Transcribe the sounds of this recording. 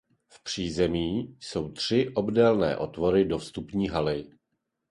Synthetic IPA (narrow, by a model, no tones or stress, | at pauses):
fpr̝̥iːzɛmiːso̞wt̪r̝̥ɪʔo̞bdɛlnɛ̰ːʔo̞t̪vo̞ɾɪdo̞fst̪upɲiːɦalɪ